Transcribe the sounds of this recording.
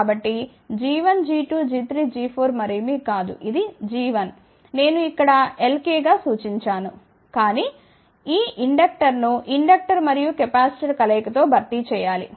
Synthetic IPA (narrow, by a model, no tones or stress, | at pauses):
kːbɐʈːi | d͡ʒiːʋɐnd͡ʒiːʈuːd͡ʒit̪ɾiːd͡ʒiːpʰoːɾmɐɾimikaːd̪ṵʔid̪id͡ʒiːʋɐn | ne̞ːnuikːɐɽɐe̞lkeːɡaːsuːt͡ʃiɲt͡ʃaːnu | kaːni | iːʔiɳɖɐk̚ʈɐɾnuʔiɳɖɐk̚ʈɐɾmɐɾijukepaːsi̥t͡ʃɐlkɐlɛːkɐt̪o̞ːbʱɐɾt̪it͡ʃɛːjaːlḭ